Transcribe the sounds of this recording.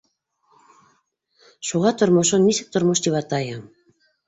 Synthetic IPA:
ʃuʁɑt̪ŏrmoʃonːisɘ̆k̚t̪ŏrmoʃt̪iβɑt̪ɑjɑ

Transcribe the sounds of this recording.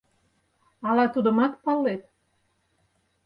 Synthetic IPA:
ɑlɑt̪ud̪ə̆mɑt̪̚pɑlet̪̚

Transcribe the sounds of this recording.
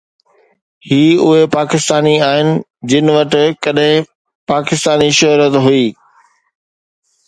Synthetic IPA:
hiːʊɦepaːkɪst̪aːniaːɦɪnɪ̆ | d͡ʑɪnɪʋɐʈɪ̆kɐɗɦɪ̃ | paːkɪst̪aːniʃʊɦɾət̪ɦʊiː

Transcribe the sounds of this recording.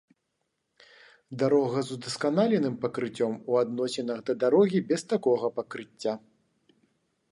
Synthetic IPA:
d̪aɾɔɣɐzud̪ɐskanalʲɛnɨmpɐkɾɨt͡sʲːɔmuad̪nɔsʲɛnɐɣd̪ɐd̪aɾɔɣʲibʲɛst̪akɔɣɐpɐkɾɨt͡sʲːa

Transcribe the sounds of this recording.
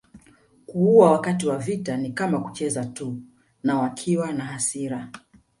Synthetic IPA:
kuuawakatiwavitanikamaku̥t͡ʃɛzatu | nawakʰiwanaɦasiɾa

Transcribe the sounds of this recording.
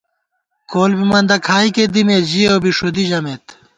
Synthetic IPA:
koːlbimɐnd̪ɐkʰaːiked̪imeːʑioːbiʂod̪iʑɐmeːt̪

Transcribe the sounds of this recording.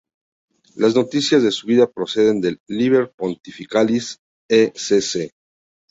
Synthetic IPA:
lazno̞t̪isjazðe̞suβiðapɾo̞se̞ðe̞nd̪e̞lːiβeɾpo̞nt̪ifikalis | esese

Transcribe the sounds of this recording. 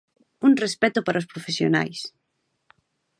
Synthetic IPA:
uŋrespɛt̪ʊpaɾaospɾofesjo̰na̰js

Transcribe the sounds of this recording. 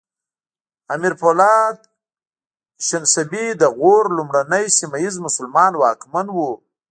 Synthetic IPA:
amiɾpolɑd̪ | ʃɪnsabid̪əɣoɾlumɽanəjsimajizmʊsʊlmɑnwɑkmanwu

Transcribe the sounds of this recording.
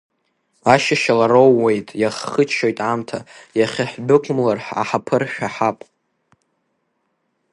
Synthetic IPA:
aʃaʃalaɾowːe̞jtʼjaχːət͡ʃʰo̞jtʼamtʰajaχʲaħʷbɨkʷʲʼmlarħa̰ħapʰɨrʃᶣaħapʼ

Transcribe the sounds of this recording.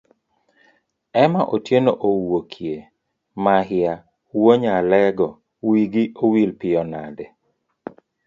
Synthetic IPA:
ɛmaʔotjenoʔowokʰje | mahɪa | woɲalɛɡɔ | wiɡiʔowilpɪjɔnadɛ

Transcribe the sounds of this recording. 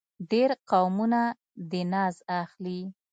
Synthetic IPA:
ɖeɾqawmuna | d̪ənɑzaxli

